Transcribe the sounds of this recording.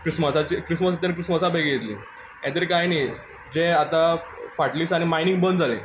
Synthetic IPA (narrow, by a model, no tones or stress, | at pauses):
kɾisməsat͡ɕikɾisməs̬at̪ãnkɾisməsabʱaɡijet̪lḭː | jɛ̃t̪eɾikajniː | d͡ʑeat̪ãfaʈliːsaɽ̃imainiŋɡbənd͡zalḛ̃